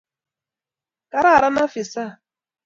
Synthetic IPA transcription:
ka˨ɾa˦˨ɾa˦na˦fɪ˨sa˦˨

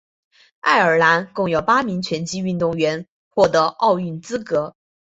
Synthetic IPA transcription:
a̰˥˩ɪə˞˨˩la˧˥nkʊ˥˩ŋjo˨˩ʊpa˥mi˧˥ŋt͡ɕʰɥɛ˧˥nt͡ɕi˥y˥˧nt̪ʊ˥˩ŋɥɛ˧˥n | xwɔ˥˩t̪ɤ˧˥ʔɑ˥˧ʊy˥˩nt͡sɹ̩˥kɤ˧˥

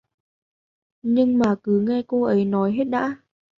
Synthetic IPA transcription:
ɲɨ˧ŋmaː˨˩kɨ˨˦ŋa˧jko˧ʔə˨˦jnɔ˨˦jɦe˦˥t̚ɗa̰ː˧˥

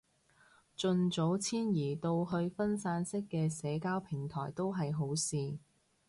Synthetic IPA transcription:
t͡ʃɵ˧nt͡so˨˥wt͡sʰiː˥njiː˨˩t̪o˧wɦɵ˧ɥfɐ˥nsaː˧˥nsɪ˥kːɛː˧sɛː˨˥kaː˥wpʰɪ˨˩ŋt̪ʰɔː˨˩jt̪o˥wɦɐ˨jɦo˨˥wsiː˨

